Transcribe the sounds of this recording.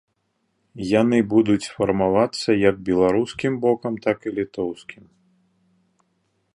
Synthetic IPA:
janɨbud̪ut͡sʲfɐrmavat̪sːɐjɐɡ̚bʲɛlˠaɾuskʲimbɔkɐmt̪akilʲit̪ɔwskʲim

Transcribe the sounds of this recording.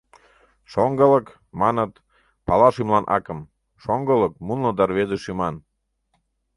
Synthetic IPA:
ʃoŋɡələk | mɑnət̪ | pɑlɑʃymlɑnʔɑ̰kəm | ʃoŋɡələk̚munləd̪ɑrβezeʃymɑn

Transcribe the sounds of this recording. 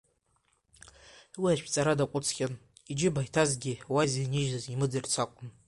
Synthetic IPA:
wiaʃʰt͡sʼaɾadakʷʼʊt͡sʰχʲʼan | id͡ʒɪbajtʰazɡʲɪwajzeniʒnɨzimɨd͡zɨrt͡sʰakʷʼʊn

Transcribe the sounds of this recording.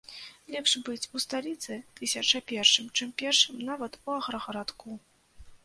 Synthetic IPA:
lʲɛpʂbɨt͡sʲust̪alʲit̪sɨt̪ɨsʲɐt͡ʂɐpʲɛrʂɨmt͡ʂɨmpʲɛrʂɨmnavɐt̪uɐɣɾɐɣɐɾat̪ku

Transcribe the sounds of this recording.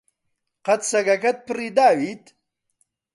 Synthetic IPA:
qɐt̪sɐɡɐkɐt̪̚pʰɨrid̪aːwit̪

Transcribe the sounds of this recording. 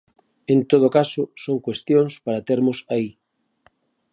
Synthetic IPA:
ẽnt̪oðokasosoŋkwest̪jõŋspaɾat̪eɾmosai

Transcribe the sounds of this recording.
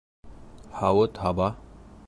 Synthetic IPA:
hawət̪ɦaba

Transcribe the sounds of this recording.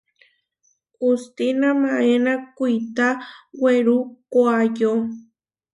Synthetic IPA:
ust̪inamaenakujt̪aweɾukwajo

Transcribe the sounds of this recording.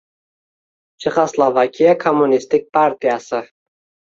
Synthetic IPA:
t͡ʃʰɪχaslˠovakʲʰijakʰomːunist̪ɪk̚pʰaɾt̪ʰijasɪ

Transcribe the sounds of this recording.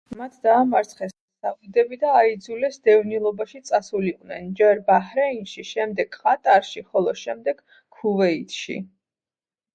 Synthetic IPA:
mat̪ʰd̪aːmaɾt̪sʰχɛs | savud̪ɛbid̪aːid̪zulɛsd̪ɛvnilˠɔbaʃit̪sʼasuliqʼnɛ̰nd͡ʒɛɾbahɾɛinʃiʃɛmd̪ɛɡ̥χʼat̪ʼaɾʃiχɔlˠɔʃɛmd̪ɛɡ̥ | kʰːuvɛit̪ʰʃḭ

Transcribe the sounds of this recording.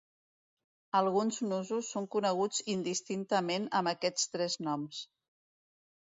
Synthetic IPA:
əlˠɣunznuzusːoŋkunəɣ̞ud͡zind̪ist̪int̪əmenəməkɛt͡st̪ɾɛznɔms

